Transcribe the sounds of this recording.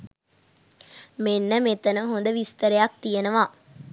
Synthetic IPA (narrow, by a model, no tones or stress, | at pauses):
menːəmet̪ənəɦond̪əʋist̪əɾɐjak̚t̪ijenɐʋaː